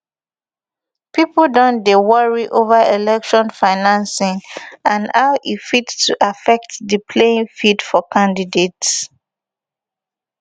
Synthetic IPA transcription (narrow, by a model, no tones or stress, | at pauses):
pipl̩dɔ̃ndewɔɹiʔovaelɛkʃɔ̃nfaɪnãnsɪ̃ŋãnhaʊʔifittuʔafɛk̚tdəpʰlẽŋfidfɔkʰãndidets